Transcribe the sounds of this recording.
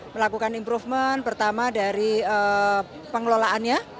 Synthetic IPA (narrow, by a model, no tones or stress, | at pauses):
məlakukanimpɾufmənpərt̪amadaɾiə | pəŋəlolaʔanɲa